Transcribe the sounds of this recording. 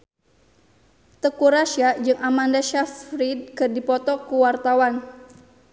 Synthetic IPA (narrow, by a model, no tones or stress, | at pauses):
t̪əkuɾaʃiad͡ʒɨŋamandaʃafɾid̪̚kɨrdipɔt̪ɔkuwart̪awan